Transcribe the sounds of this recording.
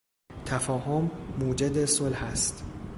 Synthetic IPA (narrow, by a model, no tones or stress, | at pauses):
t̪ʰæfɒːɦomːuːd͡ʒed̪esolhæst̪